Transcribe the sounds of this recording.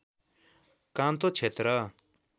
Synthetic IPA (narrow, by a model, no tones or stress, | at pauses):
kãːnt̪ot͡ʃʰet̪ɾa